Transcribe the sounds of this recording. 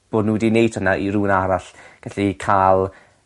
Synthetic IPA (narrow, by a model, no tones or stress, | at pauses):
b̥oːdnuːdinejtʰənaʔiɾuːnaɾaɬɡ̥aɬikʰaːlˠ